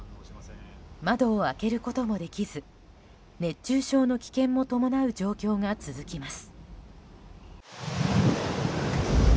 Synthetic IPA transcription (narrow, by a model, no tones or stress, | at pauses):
mad̪o̞ːake̞ɾɯ̟ko̞t̪o̞mo̞d̪e̞kʲizɨ | ne̞t͡ɕːɕɨːɕo̞ːno̞kʲi̥kẽ̞mːo̞t̪o̞mo̞naɯ̟d͡ʑo̞ːkʲo̞ːŋat͡sɨzɨkʲimasɨ̥